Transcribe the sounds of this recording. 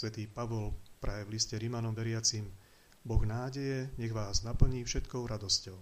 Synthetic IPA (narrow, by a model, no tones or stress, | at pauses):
ʋɛt̪iːpaʋɔlpɾʔajɛvliscɛɾimanɔmʋɛɾɪat͡sim | bɔɣnaːɟɛjɛɲɛɣʋaːznapl̩ɲiːfʃɛt̪kɔʊɾad̪ɔscɔʊ